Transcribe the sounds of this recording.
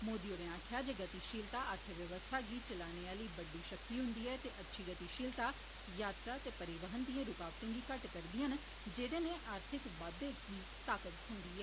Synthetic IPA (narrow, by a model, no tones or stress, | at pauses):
moːd̪iːoːd̪ẽːãːkʰjaːd͡ʒəɡət̪iːʃiːlt̪aːʔəɾt̪ʰəʋjəʋəst̪ʰaːɡiːt͡ʃəlaːneːaːləiːbəɖiːʃəkt̪iːɦʊnd̪iːɛːt̪eːʔətːʃʰiːɡət̪iːʃiːlt̪aː | jaːt̪ɾaːt̪eːpəɾɪʋəɦənd̪ijãːɾʊkaːbt̪ẽːɡiːkəʈkəɾd̪ɪːən | d͡ʒeːd̪eːnẽːʔaːɾt̪ʰɪkʋaːd̪eːkiː | t̪aːkət̪hʊnd̪iːɦɛː